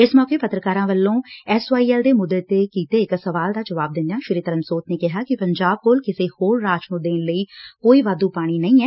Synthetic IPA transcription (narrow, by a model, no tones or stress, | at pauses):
ɪsmɔːkeːpət̪ɾəkaːɾãːʋəlːõːɛːsʋaːiːɛːld̪eːmʊd̪ːet̪eːkiːt̪eːɪksəʋaːld̪aːd͡ʒəʋaːb̚d̪ɪnd̪ejaːʃɪɾiːt̪əɾənsoːt̪neːkɪɦaːkɪpəɲd͡ʒaːb̚koːlkɪseːhoːɾːaːt͡ʃõːd̪eːnləiːkoːiːʋaːd̪uːpaːɽ̃iːnəĩːɛː